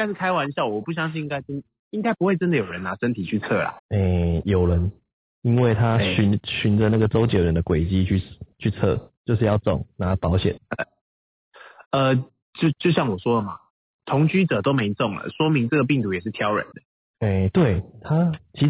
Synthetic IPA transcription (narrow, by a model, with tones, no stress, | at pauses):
i˥ŋka˥ɪʂɻ̩˥˩kʰa˥ɪwa˧˦ni˧ɕja˥˩wɔ˨˩pu˥˩ɕ̬jɑ˥ŋɕi˥˧ĩ˦ŋɡa˥ɪt͡s̪ | i˦ŋɡa˥ɪpu˧˦we˥ɪt͡sə˦˥nd̪ə˨jo˨˩ɻə˧˦na˧˥ʂə˦˥nt̪ʰi˨t͡ɕʰy˥˧t͡sʰɤ˥˩la̰˨˩e˥˩jo˨˩ʊlə˨˦n | i˦nwe˥˩ɪt̪ʰa˦ɕy˧˦nɕy˧˦nd͡zə˨˦na˥˩ɡə˨˩t͡so˥ʊt͡ɕjo˨˩ɻə˨˦nd̪ə˨kwe˨˩ɪt͡ɕi˦t͡ɕʰy˥˧t͡ɕʰy˥˧t͡sʰɤə̰˥˧t͡ɕjo˥˧ʊʂɻ̩˥˧jɑ˥˧ʊt͡sɔ̰˨˩ŋna˨˦pɑ˨˦ʊɕjɛ̰˨˩˦nə˩ | ə˧ | t͡ɕjo˥˧ʊt͡ɕjo˥˧ʊɕjɑ˥˩ŋwɔ˨˩swɔ˥lə˨ma˩ | t̪ʰʊ˧˥ŋt͡ɕy˥t͡sə˨˩t̪o˥ʊme˧˥ɪt͡sɔ˥˩ŋlə̰˨ʂwɔ˥mi˧˥ŋt͡sɤ˥˩ɡə˩p̬i˥˩ŋt̪u˧˥jɛ˨˩ʂ̬ɻ̩˥˩t̪ʰjɑ˦˥ʊɻə̰˨˦nd̪ə̥˩ | e˥˩ɪt̪we˥˩ɪt̪ʰa˥t͡ɕʰi˧˥